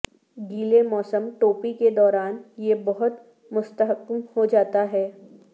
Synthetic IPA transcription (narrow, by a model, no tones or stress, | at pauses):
ɡiːlemɔːsəmʈoːpiked̪ɔːɾaːnjebɐɦʊt̪ | mʊst̪əɦəkːmhod͡ʒaːt̪aɦɛː